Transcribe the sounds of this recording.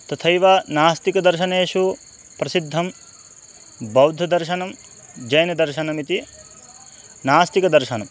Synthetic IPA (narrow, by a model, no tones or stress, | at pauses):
t̪ɐt̪ʰɐjʋɐnaːst̪ikɐd̪ɐɾʃɐneːʂu | pɾɐsid̪ʱːɐm | bɐwd̪ʱɐd̪ɐɾʃɐnɐmd͡ʒɐjɐnɐd̪ɐɾʃɐnɐmit̪i | naːst̪ikɐd̪ɐɾʃɐnɐm